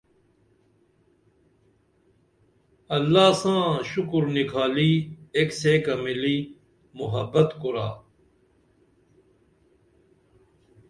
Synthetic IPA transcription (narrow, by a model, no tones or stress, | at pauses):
ɐlːaːsãːɕukɾnikʰaːliːekseːkɐmiliː | muɦɐbɐt̪kuɾa̰ː